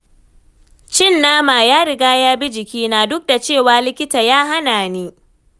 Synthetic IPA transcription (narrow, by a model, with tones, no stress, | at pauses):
t͡ʃɪ˦˨nːaː˦maː˨jaː˦ɽɪ˦ɡaː˦jaː˦bi˦d͡ʒɪ˨kʲiː˦naː˨dʊ˦k̚da˨t͡ʃeː˦˨waː˨lɪ˦kʲɪ˦taː˨jaː˦ɦa˦naː˨niː˦